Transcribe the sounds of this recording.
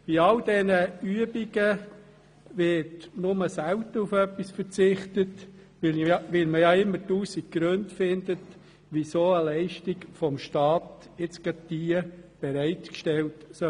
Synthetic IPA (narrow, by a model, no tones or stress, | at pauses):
b̥iɑld̥ɛnəyəbiɡ̥ə | ʋɪtnʊməsæwtəɾufœpːisfəɾt͡sɪχtət | ʋɪlʋɪlməjɑɪmːətuːsik̚ɡ̥ɾøndfɪndət | ʋisoːəlæɪʃtikfɔmʃtɑːt | ɪt͡sɡ̥ɑd̚d̥iəb̥ɛɾæɪtkʃtɛltsœ